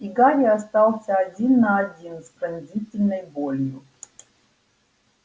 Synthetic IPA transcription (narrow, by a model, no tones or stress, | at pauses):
iɡaɾiast̪awsazʲinad̪iɨnspɾɨnzit̪ɨnebolʲiu